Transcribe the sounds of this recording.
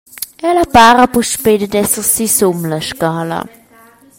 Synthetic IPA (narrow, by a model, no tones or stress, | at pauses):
ʔɛlapaːʁəpuʃpedədɛsəʁsisumlaʃkaːlə̰